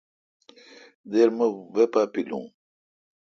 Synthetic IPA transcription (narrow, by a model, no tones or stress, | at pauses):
d̪eɾməwepaːpilṵ̃ː